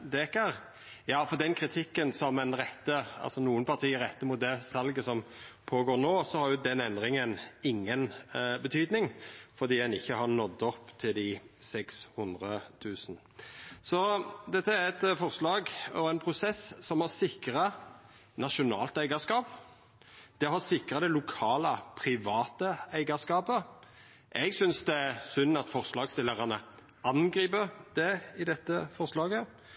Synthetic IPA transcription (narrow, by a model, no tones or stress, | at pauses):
d̪ɛːkəɾ | jɑːfɔɾd̪ɛnkʰɾɪt̪ʰɪkːənsɔmɛnɾɛt̪ːəɑ̰lsɔnuːənpʰɑʁt̪ʰiːəɾɛt̪ːəmʊt̪̚d̪ɛsɑlɡəsɔmpʰoːɡoːɾnoːsɔhɑɾjʊd̪ɛnɛnd̪ɾɪŋənɪŋːənbət̪ʰyːd̪nɪŋfɔɾd̪iːɛnɪçːəhɑɾnɔd̪ɔpːt̪ʰɪld̪ɪsɛkshʊnd̪ɾət̪ʰʉːsn̩ | sɔd̪ɛt̪ːəæɾɛt̪fɔʁslɑːɡɔɾɛnpʰɾʊsɛssɔmhɑʁsɪkɾɑ | nɑʂʊnɑ̰ːlt̪æɪɡɑʂkɑːp | d̪̥ɛɦɑsɪkɾɑd̪ɛlʊkʰɑːləpʰɾɪʋɑːt̪əæɪɡɑskɑːpə | ʔɛɡsʏnsd̪ɛæɾsʏnːɑt̪fɔʁslɑːɡst̪ɪlːəʁɑnə | ɑnɡɾiːpəɾd̪̥ɛɪd̪ɛt̪ːəfɔʁslɑːɡə